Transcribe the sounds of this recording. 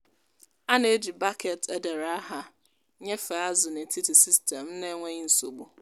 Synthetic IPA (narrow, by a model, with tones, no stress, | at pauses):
a˦nã˨e˦di˨ba˦kʰɛ˨tʰɛ˦dɛ˨ɾa˨a˦ɦa˨ | ɲɛ˦fa˨a˦zʊ˨nɪ̃˨˦tʰi˦tʰi˨si˦stʰɛ̃˨mnɪ̃˦ŋʷɛ̃˦ɲĩ˦n̩˨so̰˨bʊ˨